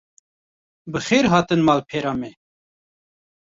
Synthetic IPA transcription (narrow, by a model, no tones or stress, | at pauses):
bɨxeːɾɦɑːt̪ɨnmɑːlpʰeːɾɑːmɛ